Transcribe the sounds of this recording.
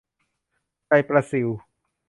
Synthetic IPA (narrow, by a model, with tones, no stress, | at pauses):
t͡ɕa˧jpɾa˧si˩˦w